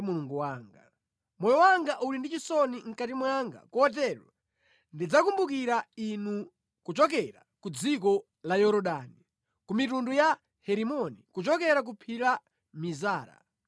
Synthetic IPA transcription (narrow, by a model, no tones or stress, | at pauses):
muluŋɡuwaːŋɡa | mɔjɔwaŋɡaʔulindit͡ʃisɔniŋ̩katimwaŋɡa̰kuɔt̬ɛɾɔ̰ | ndid͡zakumbuk̬iɾainu | kut͡ʃɔk̬ɛɾa̰kud͡zik̬ɔ | lajɔɾɔɗaːni | kumitunduja | hɛɾimɔnikut͡ʃɔkɛɾak̬upʰila | mizaːɾa̰